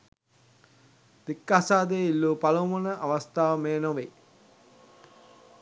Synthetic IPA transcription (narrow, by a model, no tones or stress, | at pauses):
d̪̥ikːaːsaːd̪eːilːuːpalomonəʔaʋast̪aːʋmeːnoʋe